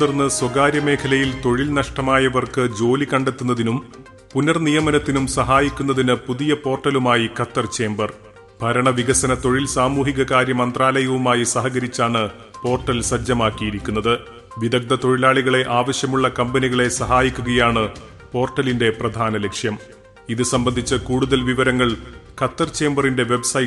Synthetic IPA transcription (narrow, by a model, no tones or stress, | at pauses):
irnːɨswɐɡaːɾjɐme̞ːkʰɐlɐjilt̪o̞ɻilnɐʂʈɐmaːjɐʋɐrkɨd͡ʑo̞ːlikɐɳɖe̞t̪ːun̪ːɐðinum | punɐrnijɐmɐnɐt̪ːinumsɐɦaːjikʲːunːɐðinɨpuðijɐpo̞ːrʈːɐlumaːjikɐt̪ːɐrt͡ɕe̞ːmbɐr | bʱɐɾɐɳɐʋiɣɐsɐnɐt̪o̞ɻilsaːmuːɦiɣɐkaːɾjɐmɐnd̪raːlɐjɐʋumaːjisɐɦɐɣɐɾit͡ɕːaːɳɨ | po̞ːrʈːɐlsɐd͡ʑɐmaːkːijiɾikʲːunːɐðɨ | ʋiðɐk̚d̪ɐt̪o̞ɻilaːɭiɣɐɭe̞ʔaːʋɐɕjɐmuɭːɐkɐmbɐniɣɐɭe̞sɐɦaːjikʲːuɣɐjaːɳɨ | po̞ːrʈːɐlinde̞prɐd̪ʱaːnɐle̞kʂjɐm | iðɨsɐmbɐnd̪ʱit͡ɕːɨkuːɽuðɐlʋiʋɐɾɐŋːɐɭkɐt̪ːɐrt͡ɕe̞ːmbɐrinde̞ʋe̞bsɐ